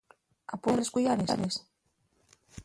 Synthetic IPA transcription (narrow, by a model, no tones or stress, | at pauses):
a̰poreskujaɾea̰ɾes